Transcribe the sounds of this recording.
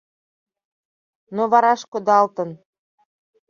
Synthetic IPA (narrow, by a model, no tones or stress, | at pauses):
noβɑɾɑʃkod̪ɑlt̪ə̆n